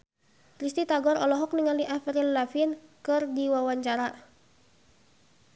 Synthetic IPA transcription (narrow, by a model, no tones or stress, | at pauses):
k̪ɾist̪it̪aɡɔɾɔlɔɦɔk̚niŋaliʔafɾilːafinkɨrdiwawaɲt͡ʃaɾa